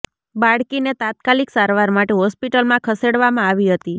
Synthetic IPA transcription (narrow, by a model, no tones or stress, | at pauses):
baɽkinet̪at̪̚kaliksaɾʋaɾmaʈeɦɔspiʈəlmãkʰəseɽʋamãaʋiɦət̪i